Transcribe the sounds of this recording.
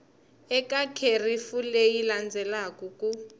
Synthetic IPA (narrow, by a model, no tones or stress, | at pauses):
ɛkʼakʰerifulejiland͡zʱɛlakʼukʼu